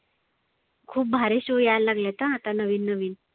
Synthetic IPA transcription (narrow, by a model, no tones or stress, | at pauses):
kʰuːp̚bʱaɾeɕojallaɡlat̪əat̪anəʋiːnːəʋiːn